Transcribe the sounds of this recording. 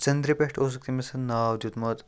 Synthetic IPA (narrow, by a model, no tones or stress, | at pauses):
t͡ʃɐnd̪ɾipeʈʰoːs̬uk̚t̪imisɐnnaːwd̪ut̪mɐt̪